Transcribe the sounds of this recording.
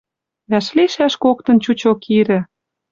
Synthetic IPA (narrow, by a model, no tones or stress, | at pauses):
βæʃliʃæʃkok̚t̪ɤ̆nt͡ɕut͡ɕokʰiɾɘ̆